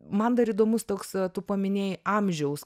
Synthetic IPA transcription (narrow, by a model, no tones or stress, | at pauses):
mɐnd̪ɐɾiːd̪oːmʊst̪oːkst̪ʊpɐmʲɪnʲeːjʔɐmʲʒʲɛʊs